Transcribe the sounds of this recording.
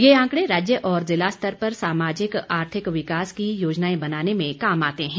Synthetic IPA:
jeãːkɽeɾaːd͡ʒjəʔɔːɾzɪlast̪əɾpɐɾsaːmaːd͡ʒɪkaːɾt̪ʰɪkʋɪkaːskijoːd͡ʒnaːẽbɐnaːnemẽkaːmaːt̪eɦɛ̃ː

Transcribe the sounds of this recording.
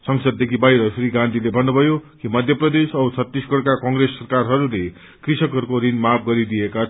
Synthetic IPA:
sʌŋsʌd̪̚ːekʰibaiɾʌsriɡãnd̪ʱilebʱʌnːubʱʌjokimʌd̪ʱjʌprʌd̪esʌbt͡sʰʌt̪ːisɡʱʌɽkakʌŋɡresːʌrkarɦʌɾule | krisʌkʌɾukoɾinmap̚ʰɡʌɾid̪ieka

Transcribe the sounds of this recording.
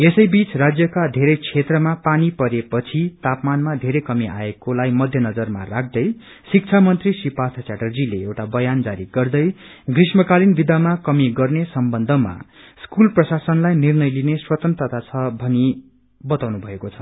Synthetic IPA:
esʌjbit͡srad͡zjʌkad̪ʱeɾʌjt͡sʰet̪rʌmapanipʌɾepʌt͡sʰit̪apmanmad̪ʱeɾʌjkʌmiʔa̰ekolajmʌd̪ʱjʌnʌd͡zʌrma̰rak̚ʰd̪ʌj | sik̚t͡sʰamʌnt̪risipat̪ʰat͡saʈʌrd͡zileewʈabʌjand͡zaɾiɡʌrd̪ʌj | ɡrismʌkalinbid̪amakʌmiɡʌrnesʌmbʌnd̪ʱʌma̰skulprʌsasʌnlajnirnʌjlineswʌt̪ʌnt̪rʌt̪at͡sʰʌbʱʌni | bʌt̪awnubʱʌekot͡sʰʌ̥

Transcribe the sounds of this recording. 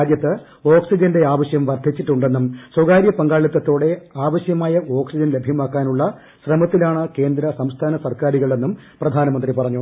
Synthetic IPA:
d̪jɐt̪ːɨ | o̞ːksid͡ʑɐndeaːʋɐɕjɐmʋɐrd̪ʱit͡ɕːiʈːuɳɖe̞nːumswɐɡaːɾjɐpɐŋɡaːɭit̪ːɐt̪ːo̞ːɽe̞aːʋɐɕjɐmaːjɐo̞ːksid͡ʑɐnlebʱjɐmaːkːaːnuɭːɐ | ɕrɐmɐt̪ːilaːɳɨke̞ːnd̪ɾɐsɐmst̪ʰaːnɐsɐrkaːɾiɣɐɭe̞nːum | prɐd̪ʱaːnɐmɐnd̪ripɐrɐɲːu

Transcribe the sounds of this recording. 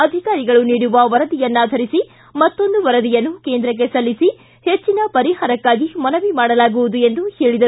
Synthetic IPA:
ɐd̪ʱikaːɾiɡɐɭuniːɽuʋɐʋɐɾɐd̪ijɐnːaːd̪ʱɐɾisi | mɐt̪ːo̞nd̪uʋɐɾɐd̪ijɐnːukeːnd̪ɾɐk̬ːe̞sɐlːisi | he̞t͡ʃːinɐpɐɾiɦaːɾɐkːaːɡimɐnɐʋimaːɽɐlaːɡuʋud̪ue̞nd̪uheːɭid̪ɐ

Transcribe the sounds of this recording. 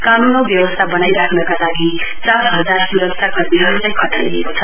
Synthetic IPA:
kanunobjʌwʌst̪ʰabʌnajɾakʰnʌkalaɡi | t͡sasɦʌd͡zarsuɾʌksʰjakʌrmiɦʌt͡sajkʰʌt̪ajɡḛkot͡sʰʌ

